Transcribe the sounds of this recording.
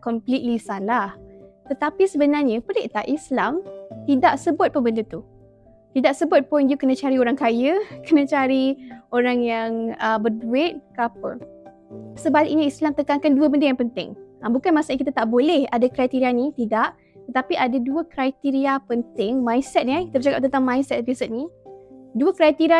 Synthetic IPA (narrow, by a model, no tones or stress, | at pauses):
kɔmplit̪̚lisalaht̪ət̪apisəbənarɲəpəleʔt̪aʔislamt̪idaʔsəbʊt̪̚pəbəndut̪u | t̪idaʔsəbʊt̪̚pɔind͡ʒukənãt͡ʃaɾioɾaŋkajəkənãt͡ʃaɾioɾaŋjaŋəbərduɪt̪̚kapə̰ | səbalɪkiniislamt̪əkaŋkanduəbəndəjaŋpənt̪ɪ̰ŋambukanmãsaʔɲakit̪at̪aʔbolɛhadakɾajt̪iɾianĩt̪idaʔ | t̪ət̪apiʔadaduəkɾajt̪iɾiapənt̪ɪŋmãjnsɛt̪̚nakit̪əbət͡ʃakap̚t̪ənt̪aŋmãjnsɛt̪pisət̪̚ni | duəkɾajt̪iɾia